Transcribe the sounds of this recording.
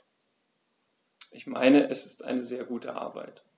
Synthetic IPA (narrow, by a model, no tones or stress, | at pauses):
ʔɪçma̰ɪnəʔɛsɪ̥stʔa̰ɪnəzeːɐɡuːtə̰ʔa̰ɐba̰ɪt